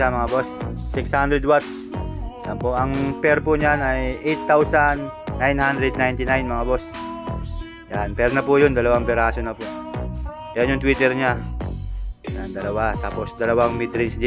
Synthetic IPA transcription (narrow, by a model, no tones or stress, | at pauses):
amɐŋabosːɪkshand̪ɾɛd̪̚wat̪s | janpoʔɐŋpɛɾpʊɲanɐjʔɛjt̪ːawsanː | ajnhand̪ɾɛd̪̚najnt̪ɪnajnmɐŋabos | janpɛɾnɐpʊjʊnd̪ɐlɐwaŋpɛɾaːsonɐpʊʔ | pɛonɲjʊŋt̪wiːt̪ɛɾɲa | jand̪ɐlɐwat̪aːposd̪ɐlɐwaŋmit̪ɾɪnsd̪ɪ